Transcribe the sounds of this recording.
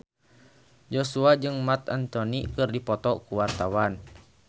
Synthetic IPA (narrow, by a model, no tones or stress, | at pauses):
d͡ʒɔsuad͡ʒɨŋmat̪ant̪ɔnikɨrdipɔt̪ɔkuwart̪awan